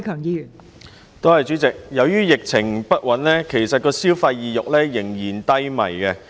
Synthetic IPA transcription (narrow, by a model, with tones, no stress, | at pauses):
kʰœː˨˩ŋjiː˧jy˨˩ | t̪o˥hɐ˨jt͡ʃyː˨˥t͡sɪ˨k̚jɐ˨˧wjyː˥jɪ˨k̚t͡sʰɪ˨˩ŋpɐ˥t̚wɐ˨˥nlɛː˥kʰe˨˩jsɐ˨t̚kɔː˧siː˥wfɐ˧jːiː˨jʊ˨k̚lɛː˥jɪ˨˩ŋjiː˨˩nt̪ɐ˥jmɐ̰˨˩jkɛ˧